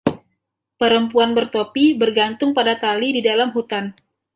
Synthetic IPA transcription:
pəɾəmpuanbərt̪opibərɡant̪ʊŋpadat̪alididalamɦut̪an

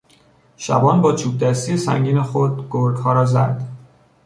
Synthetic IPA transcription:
ʃæ̰bɒːnbɒːt͡ʃʰuːb̚d̪æst̪iːesæ̰ŋɟiːnexod̪̚ɡ̥oɾɡhɒːɾɒːzæ̰d̪̥

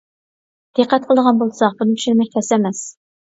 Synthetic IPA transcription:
d̪̥eqʰæt̪̚qʰəlˠd̪əʁɑnbolˠsɑqb̥unɨmʃinɪmɛk̚ʲt̪ʲʰɛsɛmɛs

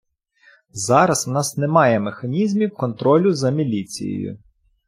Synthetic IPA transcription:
zɑɾɐswnɑsnemɑjɛmexɐnʲizmʲiwkɔnt̪ɾɔlʲʊzɐmʲilʲit͡sʲḭjḛjʊ̰

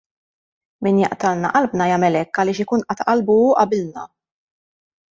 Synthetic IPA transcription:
miːnjɐ̰ʔt̪ɐlnɐ̰ʔɐlbnɐjɐmɛlɛkːɐlɪːʃɪkuːnʔɐt̪ʔɐlbuːʔɐbɪlnɐ

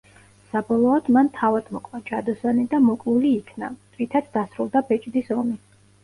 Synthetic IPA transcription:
sabɔlˠɔɔd̪̥mant̪ʰavad̪̥mɔkʼvad͡ʒad̪ɔsanid̪amɔkʼluliːkʰna̰t̪ʼvit̪ʰat̪sd̪asɾulˠd̪abɛt͡ʃʼd̪isɔmi

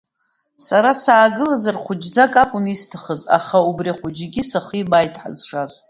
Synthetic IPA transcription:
saɾasaːɡɨlazarχʷʊd͡ʒd͡zakʼakʷʼʊnistʰaχəza̰χaubriχʷʊd͡ʒiɡʲisaχibajtʰʼħa̰zʂaz

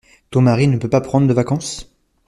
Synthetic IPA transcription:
t̪õmaʁinəpøpapχɑ̃d̪ʁəd̪əvakɑ̃s

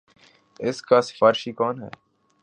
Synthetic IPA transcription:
ɪskaːsɪ̥faːɾɪʃiːkɔːnɦɛ̰ː

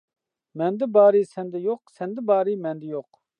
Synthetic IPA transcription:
mɛnd̪ɪbɑːɾisɛnd̪ɪjoqsɛnd̪ɪbɑːɾimɛnd̪ɪjoq

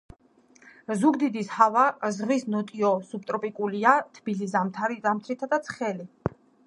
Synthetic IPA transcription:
zuɡd̪id̪ishavazʁvisnɔt̪ʼiɔsup̚t̪ʼɾɔpʼikʼuliat̪ʰb̥ilizamt̪ʰaɾizamt̪ʰɾit̪ʰad̪at̪sʰχɛli

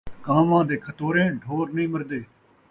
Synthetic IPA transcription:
kaːmãːd̪eːkʰət̪oːɾẽːɖʱoːɾnəɦĩːməɾd̪eː

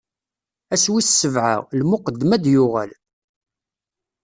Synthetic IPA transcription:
æswissːəvʕa̰ʁlmʊqəd̪ːmæd̪jʊʁæ̰l

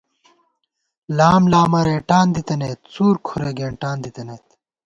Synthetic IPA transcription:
laːmlaːmɐɾeːʈaːnd̪it̪ɐneːt̪suːɾkʰuɾeɡeːɳʈaːnd̪it̪ɐneːt̪

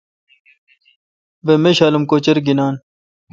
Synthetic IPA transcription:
ʋemeɕaːlumkoːt͡ɕɐɾɡinaːn

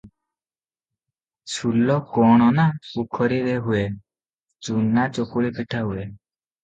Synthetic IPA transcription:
sulɔkɔɽ̃ɔnaukʰɔɾiɾeɦue | t͡ʃunːat͡ʃokuɭipʰiʈʰaɦue

